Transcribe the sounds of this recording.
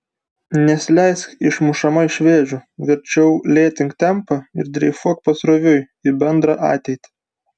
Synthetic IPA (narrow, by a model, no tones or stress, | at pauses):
nʲɛsʲɪlʲɛɪsɪʃmʊʃɐmɐɪʃʲʋʲeːʒʲʊʋʲɪɾʲt͡ʃʲɛʊlʲeːt̪ʲɪŋkt̪ʲɛmpɐɪ̰ɾd̪ʲɾʲɛɪfuɔk̚pɐsɾoːʋʲʊj | ɪbʲɛnd̪ɾɑʔɑ̰ːt̪ʲɛɪt̪ʲi̥